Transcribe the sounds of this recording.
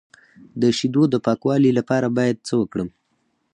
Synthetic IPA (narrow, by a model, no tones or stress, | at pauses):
d̪əʃid̪od̪əpɑkwɑlilapɑɾabɑjad̪̚t͡səwəkɽəm